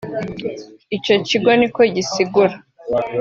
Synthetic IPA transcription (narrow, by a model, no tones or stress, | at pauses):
ico̞ciɡo̞niko̞ɟisiɡuɾa